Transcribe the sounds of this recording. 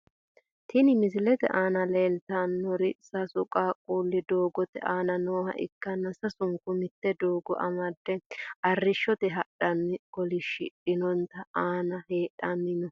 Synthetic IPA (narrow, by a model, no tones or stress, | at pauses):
t̪ʰɪnɪmɪsɪlɛt̪ɛ̰ʔaːnɐleːlt̪anːɔɾɪsɐsʊkʼaːkʼuːlːɪd̪oːɡɔt̪ɛ̰ʔaːnɐnoːhɐ̰ʔɪ̰kːɐnːɐsɐsʊŋkʊmɪt̪ːɛd̪oːɡɔ̰ʔɐ̰mɐd̪ːɛʔɐrːɪʃːɔt̪ɛɦɐɗɐnːɪkɔlɪʃɪ̰ᶑɪnɔnt̪ːɐaːnɐheːɗɐnːɪnɔ